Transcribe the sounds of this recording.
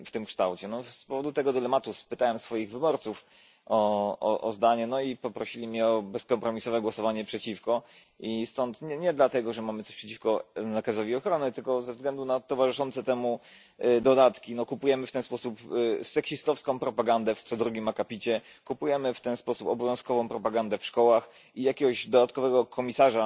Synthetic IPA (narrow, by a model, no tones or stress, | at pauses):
ft̪ɘmkʂt̪awt͡ɕɛnɔspɔvɔd̪ut̪ɛɡɔd̪ɘlɛmat̪uspɘt̪awɛmsfɔjiɣvɘbɔɾt̪suf | ʔɔɔʔɔzd̪aɲɛnɔipɔpɾɔɕilʲimʲɲɛɔbɛskɔmpɾɔmʲisɔvɛɡwɔsɔvaɲɛpʂɛt͡ɕifkɔ | ʔist̪ɔnt̪ɲɛɲɛd̪lat̪ɛɡɔʐɛmamɘt̪sɔ̥ɕpʂɛt͡ɕifkɔnakazɔvʲiɔxɾɔnɘt̪ɘlkɔzɛvzɡlɛnd̪unat̪ɔvaʐɘʂɔnt̪sɛt̪ɛmu | d̪ɔd̪at̪kʲinɔkupujɛmɘft̪ɛnspɔsupsɛkɕist̪ɔfskɔ̃w̃pɾɔpaɡand̪ɛft̪sɔd̪ɾuɡʲimakapʲit͡ɕɛ | kupujɛmɘft̪ɛnspɔsupɔbɔvjɔ̃skɔvɔ̃w̃pɾɔpaɡand̪ɛfʂkɔwax | ijakʲɛɡɔʑd̪ɔd̪at̪kɔvɛɡɔkʰɔmʲisaʐa